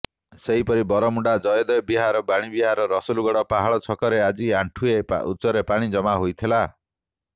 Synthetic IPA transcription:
seɦipɔɾibɔɾɔmuɳɖad͡ʒɔjɔd̪ɔjɔbiɦaɾɔbaɽ̃ibiɦaɾɔɾɔsuluɡɔɽɔpaɦaɭɔt͡ʃʰɔkɔɾead͡ʒiaɳʈʰuḛṵt͡ʃɔɾepaɽ̃id͡ʒɔmaɦojt̪ʰila

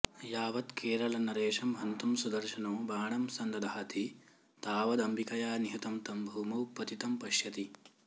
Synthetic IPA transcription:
jaːʋɐt̪keːɾɐlɐnɐɾeːʂɐmɦɐnt̪umsud̪ɐɾʃɐnoːbaːɳɐmsɐnd̪ɐd̪aɦɐt̪ʰi | t̪aːʋɐd̪ɐmbʱikɐjaːniɦit̪ɐmt̪ɐmbʱuːmɐwpɐt̪it̪ɐmpɐʃjɐt̪i

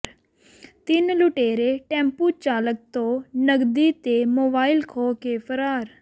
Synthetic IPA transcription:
t̪ɪnluʈeːɾeːʈɛ̃ːmpuːt͡ʃaːlək̚t̪õːnəɡd̪iːt̪eːmoːbaːɪlkʰoːkeːpʰəɾaːɾ

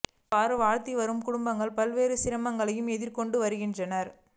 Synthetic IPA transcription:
paːɾɯʋaːɻt̪iʋɐɾɯmkʊɽʊmbɐŋɡɐɭpɐlʋeːɾɯsɪɾɐmɐŋɡɐɭɐjɯmɛðɪɾkɔɳɖɯʋɐɾɯɣɪndrɐnɐɾ

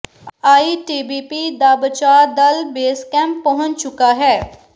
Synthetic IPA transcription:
aːiːʈiːbiːpiːd̪aːbət͡ʃaːd̪əlbeːskɛ̃ːmpːəɦʊ̃nt͡ʃt͡ʃʊkaːɦɛː

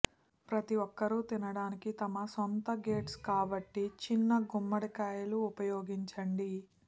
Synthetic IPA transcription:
pɾɐt̪iʋɔkːɐɾut̪inɐɽaːnikit̪ɐmɐsont̪ɐɡe̞ːʈskaːbɐʈːit͡ʃinːɐɡumːɐɽɐkaːjɐluːpɐjoːɡiɲt͡ʃɐɳɖi

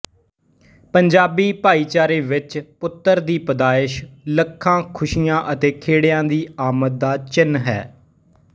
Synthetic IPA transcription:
pəɲd͡ʒaːbiːpaːiːt͡ʃaːɾeːʋɪt͡ʃpʊt̪ːəɾd̪iːpəd̪aːɪʃləkʰːãːkʰʊʃiːãːʔət̪eːkʰeːɽejãːd̪iːaːmət̪̚d̪aːt͡ʃɪnɦɛ̰ː

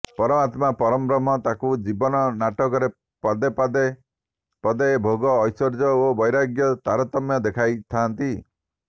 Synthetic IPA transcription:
pɔɾɔmat̪mapɔɾɔmbɾɔmɔt̪akud͡ʒibɔnɔnaʈɔkɔɾe | pad̪epad̪e | pɔd̪ebʱoɡɔːjsɔɾd͡ʒɔobɔjɾaɡjɔt̪aɾɔt̪ɔmjɔd̪ekʰajt̪ʰant̪i

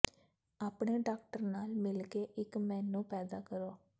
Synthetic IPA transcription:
aːpɳeːɖaːk̚ʈəɾnaːlmɪlkeːʔɪkmɛ̃ːnːũːpɛːd̪aːkəɾoː

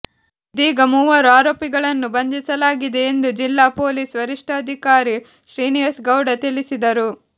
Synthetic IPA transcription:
d̪iːɡɐmuːʋɐɾuaːɾoːpiɡɐɭɐnːubɐnd̪ʱisɐlaːɡid̪e̞ːnd̪ud͡ʒilːaːpo̞ːliːsʋɐɾiʂʈʰɐːd̪ʱikaːɾi | ʃɾiːnijɐsɡɐwɖɐt̪ilisid̪ɐɾu

